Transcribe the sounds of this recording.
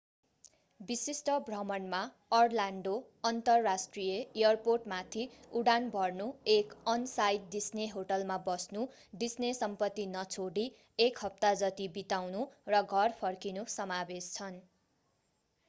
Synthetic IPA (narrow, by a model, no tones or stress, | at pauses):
bisisʈʌbrʌmʌnma | ʌrlaɳɖo | ʌnt̪ʌrːasʈrijʌejʌrporʈmat̪ʰiuɽanbʱʌrnuekʌnsajd̪̚d̪isneɦoʈʌlmabʌsnu | ɖisnesʌmpʌt̪ːinʌt͡sʰoɽi | ekɦʌp̚t̪ad͡zʌt̪ibit̪awnurʌɡʱʌrpʰʌrkinusʌmabest͡sʰʌn